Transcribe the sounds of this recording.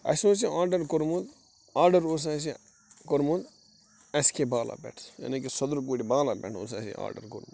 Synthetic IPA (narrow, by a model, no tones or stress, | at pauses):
ɐ̰sos̬ĩaːɾɖɐɾkoɾmud̪ | aːɾɖɐɾoːs̬as̬i | koɾmud̪ | ɐskebaːla̰bḛʈʰjɐ̰nikisɐd̪ɾukuːʈibaːlabɛ̰ʈʰo̰sasḭ̃a̰ːɖɐ̰ɾkoɾmud̪